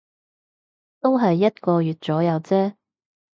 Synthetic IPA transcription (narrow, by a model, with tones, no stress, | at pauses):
t̪o˥wɦɐ˨jːɐ˥t̚kɔː˧jyː˨˩t̚t͡sɔː˨˥jɐ˨˧wt͡sɛː˥